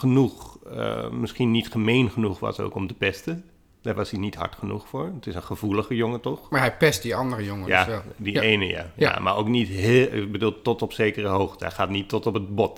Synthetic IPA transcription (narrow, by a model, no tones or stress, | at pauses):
χənuxə̰mɪskinitχəmeːnχənuxʋɔ̰so̰ːkɔmtəpɛstə | d̥aɹʋashinitha̰ɹtχənuxfo̰ːɹətɪsənχəv̥uləχəjoŋətɔxmaɦɛjpɛstdiɑndərəjoŋəjaɛldiʔejnəja̰ja̰ma̰ɹoknitɦɪbədulˠtɔtɔpseːkərəɦoːxtəɛ̰xaːtnitːɔtɔpət̚bɔt